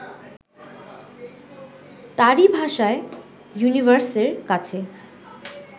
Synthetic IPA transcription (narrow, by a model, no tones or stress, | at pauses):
t̪aɾibʱaʃae | junivəɾseɾkat͡ɕʰe